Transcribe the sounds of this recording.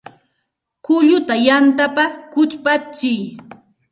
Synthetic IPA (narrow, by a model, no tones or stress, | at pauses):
kʊʎʊt̪ajant̪apakʊt͡ʃpat͡ʃɪj